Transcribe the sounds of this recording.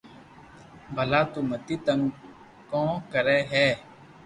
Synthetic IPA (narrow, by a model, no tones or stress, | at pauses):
bʱəlaːt̪uːmət̪iːt̪əŋ | kɔ̃ːkəɾɛːɦɛː